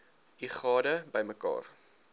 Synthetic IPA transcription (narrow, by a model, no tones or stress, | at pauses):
iχɑːdəbəjməkɑ̰ːr